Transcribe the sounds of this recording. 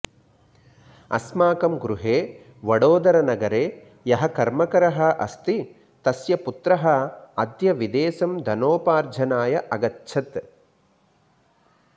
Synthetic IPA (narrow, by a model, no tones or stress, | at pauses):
ɐ̰smaːkɐmɡɾuɦeː | ʋɐɽoːd̪ɐɾɐnɐɡɐɾeː | jɐɦɐkɐɾmɐkɐɾɐɦɐʔɐ̰st̪i | t̪ɐsjɐput̪ɾɐɦɐɐd̪jɐʋid̪eːsɐmd̪ʱɐnoːpaːɾd͡ʒʱɐnaːjɐʔɐɡɐtːʃʰɐt̪